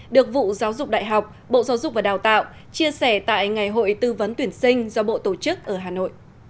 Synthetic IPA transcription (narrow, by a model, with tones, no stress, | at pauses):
ɗɨ˨˩ək̚vṵ˧˨zaː˨˦wzʊ˨˩k͡p̚ɗa̰ː˧˨jɦa˨˩wk͡p̚ | ɓo̰˧˨zaː˨˦wzʊ˨˩k͡p̚vaː˨˩ɗaː˨˩wt̪a̰ː˧˨w | t͡ɕi˧əsɛ˧˩t̪a̰ː˧˨jŋa˨˩jɦo̰˧˨jt̪ɨ˧və˨˦nt̪wi˧˩ənsï˧ŋ̟zɔ˧ɓo̰˧˨t̪o˧˩t͡ɕɨ˦˥k̚ʔəː˧˩ɦaː˨˩no̰˧˨jʔ